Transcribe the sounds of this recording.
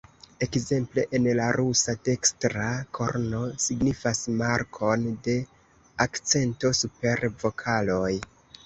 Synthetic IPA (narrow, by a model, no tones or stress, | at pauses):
e̞kze̞mple̞ʔenlaɾusate̞kstɾakʰo̞̰ɾno̞siɡnifasmaɾkʰo̞nde̞ | akt͡se̞nto̞supe̞ɾvo̞kʰalo̞j